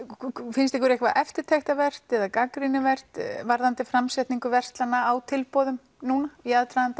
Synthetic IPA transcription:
fɪnst̪ɛkvɾɛhkvaʔɛft̪ɪɾ̥t̪ʰejxt̪avɛr̥t̪ɛðakakɾinɪvɛr̥t̪vaɾðant̪ɪfɾamsɛht̪niŋkʏvɛr̥st̪lanːaawt̪ʰɪlpɔðʏm | nuːnaiaðt̪ɾaðant̪a

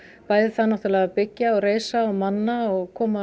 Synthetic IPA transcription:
paːjðɪθanːaht̪ʏlaapɪcːaɔɣɾeːjsaɔmanːaɔɣkʰɔːma

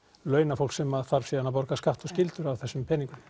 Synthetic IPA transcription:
lœːɥnafowlksɛmaðθaɾ̥sɛðanːawp̬ɔɾkaskaht̪ɔɣscɪlt̪ʏɾawθɛsːʏmpʰɛniŋkʏm

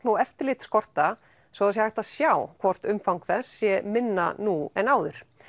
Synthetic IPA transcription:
nuɛft̪ɪɾlɪt̪skɔr̥t̪a | sɔðasjɛhajht̪aðsjaːwkʰvɔr̥t̪ʏmfawŋkθɛsːjɛmɪnːa̰nuɛnaːwðʏɾ̥

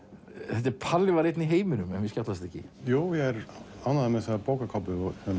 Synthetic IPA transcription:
θɛt̪ɪɾpʰalːɪvaɾejt̪niɦeːjmɪnʏmɛnvɪscawt̪las̬t̪ɛcːɪ̰juːjɛɛɾanːaðɛmɛsapoːwkakʰɔpʏɔɛ

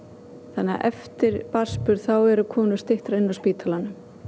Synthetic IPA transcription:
θanːɪa̰ʔɛ̰ft̪ɪɾpaspʏɾ̥θawɛɾʏkʰɔːnʏ̥st̪ɪht̪ɾaɪnːawspiːt̪ʰalanʏm

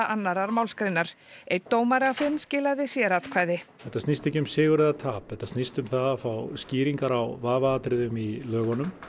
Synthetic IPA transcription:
aʔanːaɾaɾmawlskɾejnːaɾ̥ejt̪ːoːwmaɾafɪnːscɪːlaðɪsjɛɾat̪kʰv̥aːjðɪθɛht̪asnist̪ɛhcɪmsɪːɣʏɾɛðat̪ʰaːpθɛht̪ːḁsnist̪ʏmθaðafawsciːɾiŋkaɾawvaːvaaːt̪ɾɪðʏmilœːɣɔnʏm

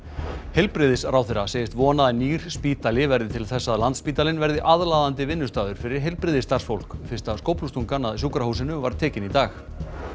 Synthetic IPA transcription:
hejlpɾɪðɪsɾawθɪɾaseːjɪst̪vɔːnaðɪniːɾ̥spiːt̪alɪvɛɾðɪt̪ʰɪlθɛsːaðlant̪spiːt̪alɪnvɛɾðɪʔaðlaːðant̪ɪvɪnːʏst̪aːðʏɾ̥fɪɾɪɾ̥ɦelpɾɪðɪst̪arsfowl̥kfɪ̥st̪askowpnust̪uŋkanaðsuːkɾahusɪnʏvaɾ̥t̪ʰɛːcɪnit̪aːx

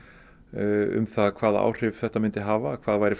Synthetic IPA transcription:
ʏ̰mθakʰv̥aːða̰ːwr̥ɪvθɛht̪amɪnt̪ɪɦaːvakʰv̥aːðvaːjɾɪf

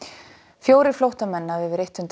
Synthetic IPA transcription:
fjoːwɾɪflowht̪amɛnːaɛvɪɾejht̪hʏnt̪

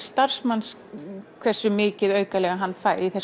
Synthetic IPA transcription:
st̪ar̥smans | kʰvɛr̥sːʏmɪːcɪðœːɥkalɛɣaɦanːfaːjɾiθɛs

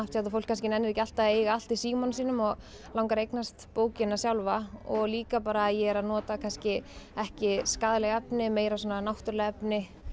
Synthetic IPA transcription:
aft̪jat̪afowlkʰans̬cɪnɛnːɪɾecal̥t̪aejɣaal̥t̪isiːmɔnsiːnʏmɔɣ | lawŋkaɾejknast̪poːwcɪnːasjawlvaɔɣliːkapaːɾajɛɛɾaðnɔːt̪akʰanscɪɛhcɪskaðlɛɣaɛpnɪmeːjɾasɔːnanawht̪ʏɾlɛɣɛpnɪ

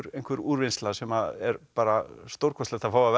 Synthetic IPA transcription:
ɾejŋkvʏɾuːɾvɪnst̪lasɛmaðɛɾpaːɾast̪owɾ̥kʰɔst̪ɛht̪afaːwav

